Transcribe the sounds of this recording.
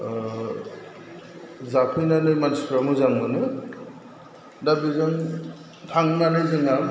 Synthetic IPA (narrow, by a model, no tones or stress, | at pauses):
zapʰɯjnanɯjmanspʰɾamɯzaŋmɯnɯ | dabizaŋ | tʰaŋnanɯjzɯŋam